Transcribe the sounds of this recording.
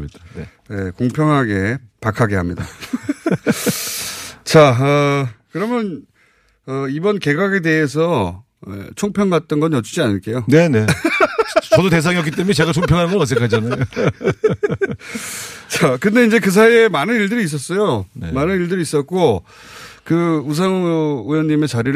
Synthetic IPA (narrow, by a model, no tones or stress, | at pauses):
id | jekoŋpʰjʌŋɦaɡe̞pakʰaɡe̞ɦamɲida̰ | t͡ɕaʌkɯɾʌmjʌn | ʌibʌnke̞ɡaɡe̞de̞ɦes̬ʰʌ | ḛt͡ɕʰoŋpʰjʌŋɡat̚t͈ʌnɡʌnjʌt͡ɕud͡ʑianɯɭk͈e̞jone̞ne̞ | t͡ɕʌdote̞s̬ʰaŋiʌk̬͈it͈emunet͡ɕe̞ɡat͡ɕʰoŋpʰjʌŋɦanɡʌɭmas̬͈ɯkʰad͡ʑanajo | t͡ɕakɯnde̞ind͡ʑe̞kɯs̬ʰaiemanɯniɭdɯɾiːs̬͈ʌs͈ʌjonemanɯniɭdɯɾiis͈ʌt̚k͈o | kɯus̬ʰaŋujʌɲːime̞t͡ɕaɾiɾ